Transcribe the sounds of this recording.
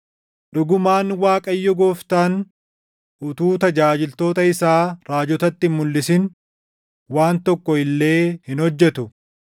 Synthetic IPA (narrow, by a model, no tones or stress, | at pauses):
ᶑʊɡʊmaːnwaːkʼɐjːɔɡo̞ːft̪aːn | ʔʊt̪uːt̪ɐd͡ʒaːd͡ʒɪlt̪o̞ːt̪ɐɪsaːɾaːd͡ʒɔt̪ɐt̪ːɪmːʊlːɪsɪn | waːnt̪ɔkːɔɪlːe̞ːhɪnhɔd͡ʒːɛt̪ʊ